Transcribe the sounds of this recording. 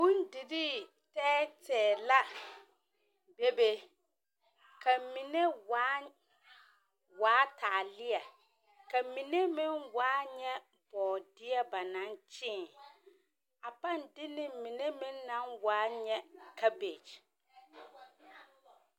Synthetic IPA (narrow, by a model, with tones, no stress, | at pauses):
bũ˦ndi˨ɾi˦ | tɛː˦tɛː˨la˦ | be˦be˦ | kʰa˨mĩ˨ne˦waː˨˦ | waː˨˦tʰaː˨lɪ˦a˨ | ka˨mi˨ne˦mɪ̃˦nwaː˦ɲɛ˦ | b̥ɔː˨dɪ˦a˦ba˨nã˦nt͡ʃɪː˦˨ | a˨pa˦ndɪ˦nɪ˦˨mĩ˨ne˦mɪ̃˦nːã˦nwaː˨˦ɲɛ˦kʰa˦be˨t͡ʃ